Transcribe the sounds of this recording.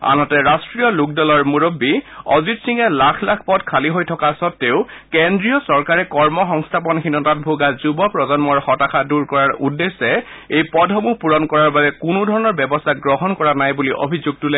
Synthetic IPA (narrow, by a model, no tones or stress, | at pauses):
a̰nɔtɛɹastɹijɔlʊk̚dɔlɔɹmuɹobːiɔzitsiŋɛlakʰlakʰpɔdkʰaliɦojtʰɔkasɔtːeʊkendɹijɔsɔɹkaɹɛkɔɹmɔxɔŋstʰap̬ɔnxinɔtat̚bʱuɡazubɔpɹɔzɔnmɔɹxɔtaxʰaduɹkɔɹaɹṵdːesɛ | ejpɔdʱɦɔmupuɹɔnkɔɹaɹbabɛkʊnʊdʱɔɹɔnɔɹbɛbɔstʰaɡɹɔɦɔnkɔɹanajbuliʔo̰bʱizuɡ̚tulɛ